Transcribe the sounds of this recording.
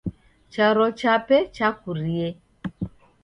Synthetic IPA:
t͡ʃaɾɔt͡ʃapɛt͡ʃakuɾie

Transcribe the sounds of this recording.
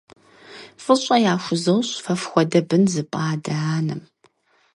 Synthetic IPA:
fɨɕʼɐjaːxʷʊzɐwɕfɐfxʷɔdɐbɨnzɨpʼaːdɐaːnɨm

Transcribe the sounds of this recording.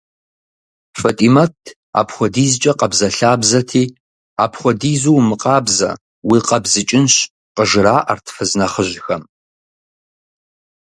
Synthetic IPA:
fɐtʼimɐtʰ | a̰ːpχʷɔdiːzt͡ʃʼɐqɐbzɐɬaːbzɐtʰiː | aːpʰχʷɔdiːzuwmɨqʼɑːbzɐ̰ | wiːqɐbzɨt͡ʃʼɪnɕ | qəʒɨɾaːʔɐrtʰfɨznɐχəʑxɐm

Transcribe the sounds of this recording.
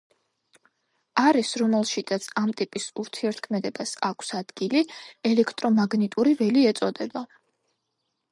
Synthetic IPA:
aɾisɾɔmɛlˠʃid̪at̪sʰamt̪ʼipʼisuɾt̪ʰiɛɾt̪̚ʰkʰmɛd̪ɛbasakʰsad̪̥ɡiliɛlɛkʰt̪ʼɾɔmaɡnit̪ʼuɾivɛliɛt̪sʼɔd̪ɛba

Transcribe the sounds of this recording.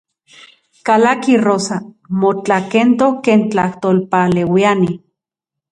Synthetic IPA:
kalakirosa | mot͡ɬakent̪ohkeːnt͡ɬaht̪olpalewiani

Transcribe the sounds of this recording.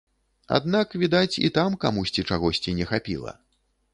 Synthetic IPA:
a̰d̪nakvʲid̪at͡sʲḭt̪amkamusʲt͡sʲit͡ʂaɣɔsʲt͡sʲinʲɛxapʲḭlˠɐ̰

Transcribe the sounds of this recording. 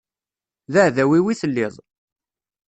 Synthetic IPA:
ðæhðæwiwiθəlːɪðˤ

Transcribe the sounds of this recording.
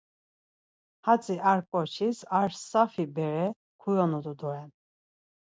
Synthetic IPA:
hat͡sʼiʔaɾkʼɔɾt͡ʃʰisaɾsafibɛɾɛ | kʰujɔnud̪ud̪ɔɾɛn

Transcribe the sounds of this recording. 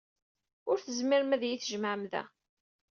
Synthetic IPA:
ʊɾθəzmɪɾmæðjiθʒəmʕmðæ̰

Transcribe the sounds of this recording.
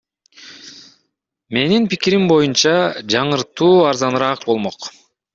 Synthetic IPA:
me̞ninpikiɾimbo̞junt͡ʃɑd͡ʒɑɴɯɾt̪uːɑɾzɑnɾɑːq̚bo̞lˠmoq

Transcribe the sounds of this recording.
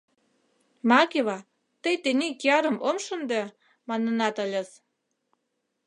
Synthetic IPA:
mɑkeβɑ | t̪əjt̪enekiɑɾə̆momʃə̆nd̪e | mɑnɤ̆nɑt̪ə̆lʲə̆s

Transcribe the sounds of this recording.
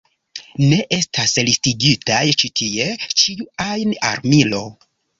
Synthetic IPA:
ne̞ʔe̞stʰaslistiɡitajt͡ʃitʰie̞t͡ʃiuajna̰ɾmilo̞

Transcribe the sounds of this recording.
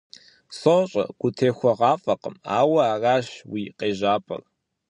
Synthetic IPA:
soɕʼɐ̰ɡ̥ʷʊtʰeːxʷɔʁɑːfʼɐqʼə̰maːwɐaːraːɕwiːqʼeːʒaːpʼɐ̰r

